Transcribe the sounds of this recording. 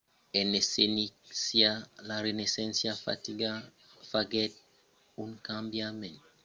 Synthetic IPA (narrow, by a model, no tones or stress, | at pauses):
ɛnesenisjalaɾenesɛ̃nsjafa̰tiɡa | faɡɛt̚ | unkãmbjamɛnt